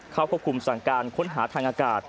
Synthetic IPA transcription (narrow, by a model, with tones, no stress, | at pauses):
kʰaː˥˩wʰa˥˩p̚kʰu˧msa˨˩ŋkaː˧nkʰo˦˥nɦaː˩˦t̪ʰaː˧ŋʔaː˧kaː˨˩t̪̚